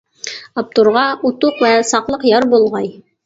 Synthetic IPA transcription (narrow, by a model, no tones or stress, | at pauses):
ɑp̚t̪uɾʁɑut̪uqwæsɑqlˠɤqjɑɾbulˠʁɑj